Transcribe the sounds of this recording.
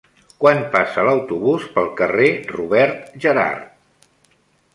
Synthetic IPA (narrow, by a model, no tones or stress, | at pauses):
kwanpasələwt̪uβuspəlˠkəreruβɛɾt̪ʒəɾa̰rt̪̚